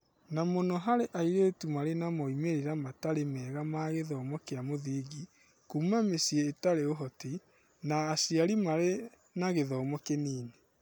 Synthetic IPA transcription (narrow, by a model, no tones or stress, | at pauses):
namonɔɦaɾeʔaiɾeːtumaɾenamɔimeɾeɾamataɾemɛːɣamaɣeðɔːmɔkeamoðiːɣi | kumamesieetaɾeoɦɔti | naːsiaɾimaɾe | naɣeðɔːmɔkeniːne